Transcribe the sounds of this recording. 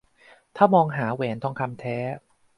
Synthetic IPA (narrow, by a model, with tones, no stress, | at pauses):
t̪ʰaː˥˩mɔː˧ŋɦaː˩˦weː˩˦nt̪ʰɔː˧ŋkʰa˧mt̪ʰɛː˦˥